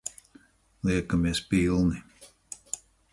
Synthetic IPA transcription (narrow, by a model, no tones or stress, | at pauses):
lˠiɛkamiɛspilˠni